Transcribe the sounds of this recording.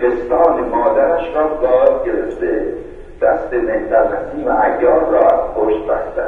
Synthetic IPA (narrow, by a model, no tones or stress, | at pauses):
est̪ɒːnemɒːd̪æɾæʃɾɒːbɒːzɡʲeɾeft̪e | d̪̥æst̪emehd̪æɾmæsiːmeʔæɡːɒːɾɾɒːhoʃt̪bæhd̪æ̰